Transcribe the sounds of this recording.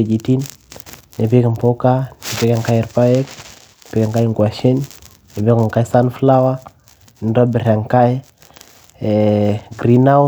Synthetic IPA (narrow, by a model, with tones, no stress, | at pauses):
e˨d͡ʒi˨ti˦nː | e˨pe˦ki˨mpo˦ka˦ne˨pe˦ke˨ŋka˦ji˨ɾpa˦je˦k | ne˨pe˦ke˨ŋka˦ji˦˨ŋɡwa˨ʃe˦n | ne˨be˦ki˨ŋka˦i˦sa˦n˦fla˦wa˦ | i˨n˦ɾa˦bi˨ɾe˨ŋka˦e˦˨ | ɡɾi˦na˦